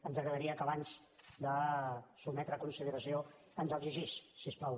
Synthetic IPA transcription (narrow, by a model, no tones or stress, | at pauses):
ənzəɣɾəðəɾiəkəβanz̥d̪əsubmɛt̪ɾəːkunsiðəɾəsio | ənzəɡziʒissisplɔw